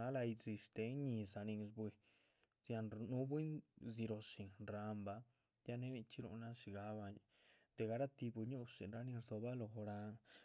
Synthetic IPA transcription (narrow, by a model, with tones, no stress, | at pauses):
a˦la˧jzi˧ʂt̪e˧˦ɲi˧sa˧ni˧ŋsbwi˧ | zja˧nnu˦bwi˦nzi˧ɾo˧si˨ɾa˧mba˧ | ja˦ne˦ni˧t͡ʃi˦ɾṵ˧˨na˦ʃi˧ɡa˨˦ba˧ɲ˨ | d̪̥e˨ɡa˧ɾa˦t̪i˧bu˧ɲu˦sḭ˨nɾa˧˦ni˧ɾzo˧ba˦lo˧xo˧ɾa˧ŋ